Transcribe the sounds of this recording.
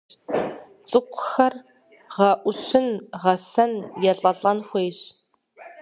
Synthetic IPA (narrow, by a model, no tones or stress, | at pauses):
t͡sʼɨqʷʰʊ̥xɐr | ʁɐʔʷʊɕʰɨnʁɐsɐnjɛɬʼɐɬʼɐnxʷejɕ